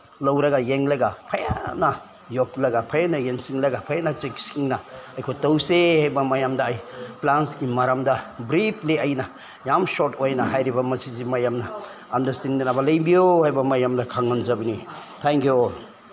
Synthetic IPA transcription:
lawɾɐɡajeŋlaɡapʰaja̰na | jok̚lɐɡapʰajanajeŋsiŋlaɡapʰajanat͡ʃek̚siŋnɐajkʰojtawsehajbamajamdaːjplanskimaɾamdabɾipʰliajnɐ | jamsɔtojnaɦajɾibɐmɐsizimajamnɐː | ndɐɾstindenabalɐjbijohajbɐmajamdakʰaŋːanzabini | tʰɛŋkjuol

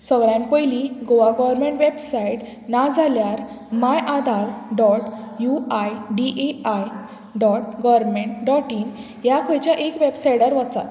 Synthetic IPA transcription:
səɡɭjãnpəjliɡoʋaɡɔʋəɾmẽɳʈʋebsaiʈ | nad͡zʱaljaɾ | majʔad̪ʱaɾɖɔʈjuajɖiʔeaj | ɖɔʈɡɔʋəɾmeɳʈɖɔʈiːn | jakʰəjt͡ɕjaʔekʋebsajɽaɾʋat͡sa̰t̪

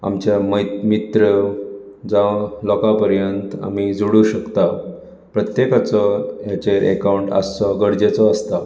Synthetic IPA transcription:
a̰mt͡ɕjammit̪ɾə | d͡zalɔkapəɾjənt̪a̰mid͡zuɽuɕəkt̪a | pɾət̪jekat͡sɔjat͡ɕeɾʔɛ̰kawɳʈa̰st͡sɔɡəɽd͡ʑet͡sɔəst̪a

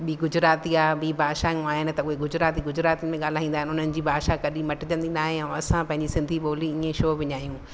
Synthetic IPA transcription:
ɓiːɡʊd͡ʑʊɾaːt̪iaːɓiːbʱaːʃãŋaːɦɪnɪ̆t̪ɐʊɦeɡʊd͡ʑɾaːt̪iɡʊd͡ʑʊɾaːt̪iənɪmẽɠaːl̤aːɦĩːnd̪aɦɪnɦʊn̤ənɪ̆d͡ʑiːbʱaːʃakɐɗĩmɐʈɪd͡ʑɐ̃nd̪inaːɦẽɛ̃ɐsãpɐ̃ɦɪ̃ɲd͡ʑisɪ̃nd̪ʱiɓoːliɪẽʃoːbɪɲaːijũː

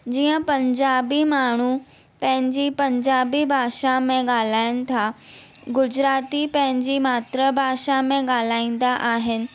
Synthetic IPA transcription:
d͡ʑiːə̃pɐ̃ɲd͡ʑaːbimaːɳ̤u | pɐ̃ɦɪ̃ɲd͡ʑipɐ̃ɲd͡ʑaːbibʱaːʃamẽɠaːl̤aːɪnɪ̆t̪ʰa | ɡʊd͡ʑɾaːt̪ipɐ̃ɦɪ̃ɲd͡ʑimaːt̪ɾəbʱaːʃamẽɡɠaːl̤aːĩːn̆d̪aʔaːɦɪnɪ̆

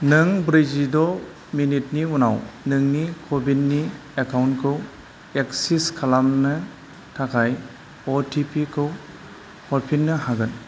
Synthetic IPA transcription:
nɯŋbɾid͡ʒidɔ | minit̚niunawnɯŋnikʰobinːi | ekʰawnkʰɯw | eksiskʰalamnɯ | tʰakʰaj | ɔtʰipʰikʰɯw | hɔɾpʰinːɯɦaɡɯn

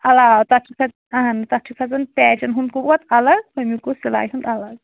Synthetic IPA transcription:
ɐlaːwt̪ɐt͡ʃʰukʰɐ | ɐɦɐnt̪ɐt͡ʃʰukʰɐzɐn̚pɛːt͡ʃɐnɦund̪̚kubɔt̪ɐlɐɡpɐmikosila̰ːjɦund̪ɐlɐɡ

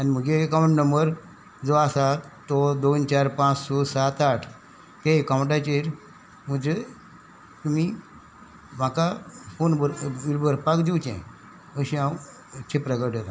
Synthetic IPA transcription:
anim̤əɡeːkawɳʈnəmbəɾ | d͡zʋaːsat̪ɔd̪ont͡ɕaɾpãt͡ssɔsat̪aʈʰ | t̪eekaw̃ɳʈat͡ɕeɾ | m̤əd͡ʑe | t̪umi | m̤akafonbəɾʋilbʱəɾpakd͡ʑ̪iwt͡ɕɛ̰̃ | əɕĩaw | t͡ɕʰepɾəɡəʈet̪a

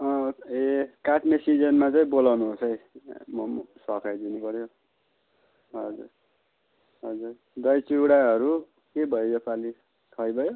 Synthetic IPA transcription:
ʌekaʈmesid͡zʌnmat͡saĩbolawnuɦosʰʌjmʌsʌkʰajd̪inupʌɾjo | ɦʌd͡zṵr | ɦʌd͡zur | d̪ʌjt͡siwɽaɦʌɾu | kebʱʌjojʌpali | kʰʌjbʱʌjo

